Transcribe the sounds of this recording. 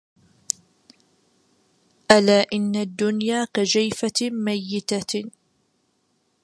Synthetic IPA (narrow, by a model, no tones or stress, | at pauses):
ʔalaːʔɪnːad̪ːʊnjaːkad͡ʒajfamajːɪt̪a